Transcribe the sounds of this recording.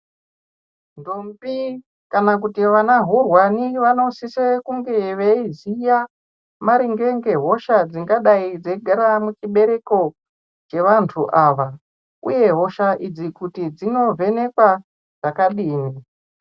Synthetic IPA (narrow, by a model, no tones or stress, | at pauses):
ndombi | kanak̬utiʋanaɦurwaniʋano̞sisekuŋɡeʋeizija | maɾiŋɡe̞ŋɡe̞ɦo̞ʃad͡ziŋɡaɗaid͡zeɡʱaɾamut͡ʃiɓe̞ɾe̞ko̞ | t͡ʃe̞ʋantʰuʔaʋa | ṵje̞ɦo̞ʃaʔid͡zikutid͡zino̞ve̞ne̞kwa | ʐ̥akaɗiːni